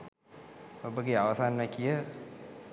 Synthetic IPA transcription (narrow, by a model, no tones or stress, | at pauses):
obəɡeaʋəsanʋɛkijə